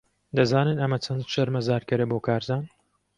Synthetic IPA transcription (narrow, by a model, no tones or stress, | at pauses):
d̪ɐzaːnɨnɐmɐt͡ʃʰɐnd̪ʃɐɾmɐzaːɾkɐɾɐboːkʰaːɾzaːn